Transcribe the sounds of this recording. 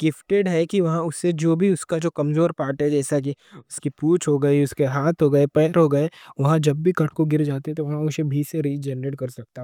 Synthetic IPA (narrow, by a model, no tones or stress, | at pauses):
ɡ̥ɪfʈeɖɦɛkiʋɐɦãʊsːed͡ʒoːbʱiʊskad͡ʒoːkɐmzoːɾpaːɾʈɦɛd͡ʒɛːsak̬iʊskipuːt͡ʃɦoːɡɐiʊskeɦaːt̪ɦoːɡɐepɛːɾɦoːɡɐeʋɐɦãd͡ʒɐbːʱikɐʈʰkoɡɪɾd͡ʒaːt̪eɦɛ̃t̪oʋɐɦãʊsebʱiseɾid͡ʒɛːnɾeːʈ̚kɐɾsɐk̚t̪aɦɛ